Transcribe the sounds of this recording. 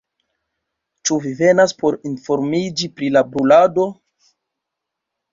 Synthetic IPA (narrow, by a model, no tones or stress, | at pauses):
t͡ʃuvive̞naspo̞ɾinfo̞ɾmid͡ʒipɾilabɾulado̞